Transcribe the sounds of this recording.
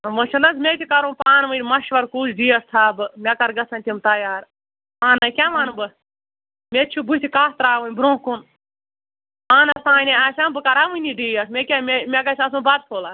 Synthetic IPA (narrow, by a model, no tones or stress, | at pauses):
mɨʃʰɐnɐsmʲet̪ʲikɐɾũːpaːnʋɨmɐʃʋɐɾkuːsɖiːjɐst̪ʰaːbɨmʲɛkɐɾɡɐsɐnʲt̪imt̪ɐjaːɾ | aːnɐkʲaʋanbɨ | mʲet͡ʃʰubut̪ʰʲikaːst̪ɾaːʋɨnʲbɾõːkun | aːnɐsãːnʲeaːʃabɨkɐɾaːʋɨniɖiːjɐsmʲekʲamemʲɛkɐt͡ʃʰas̬ũbɐd̪̚pʰoːlaː